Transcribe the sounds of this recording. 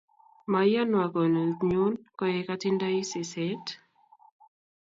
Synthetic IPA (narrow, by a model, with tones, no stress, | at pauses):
ma˨ja˦nwa˨kɔ˨no˨ɲo˦nkɔ˦je˦ka˦tɪ˦nda˦i˦se˨sɛ˦t